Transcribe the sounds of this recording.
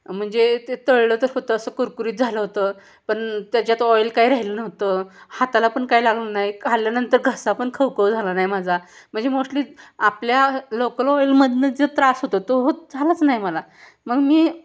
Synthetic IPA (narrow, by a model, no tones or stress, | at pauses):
m̤əɳd͡zet̪et̪əɭlət̪əɾɦot̪əːsəkəɾkuɾiːt̪̚d͡zʱaləɦot̪ə | pəɳt̪jat͡ɕjat̪ɔjlkaiɾaɦilənəɦt̪əhat̪alapəɳkajlaɡlənajkʰaljanənt̪əɾɡʱəsapəɳkʰəwkəd͡zʱalənajmad͡zʱa | m̤əɳd͡zemoʂʈliːapljalokəlɔjlməd̪ʱned͡zət̪ɾasɦot̪ət̪oɦod͡zʱalat͡snajməla | məɡmiː